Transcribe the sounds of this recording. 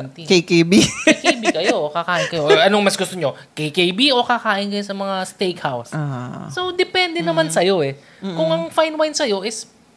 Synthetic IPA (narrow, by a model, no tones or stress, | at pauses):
nt̪ikejkejbikjkbikɐjo̞ʔokɐkaːʔɪnkɐjoʔɐnoŋmɐsɡʊst̪oɲo̞kejkejbiʔo̞kɐkaːʔɪnkɐjosɐmɐŋast̪ejkhawssowd̪ɛpɛnd̪ɛnɐmansɐjo̞ʔɛ | kʊŋɐŋfajnwajnsɐjo̞ʔɪs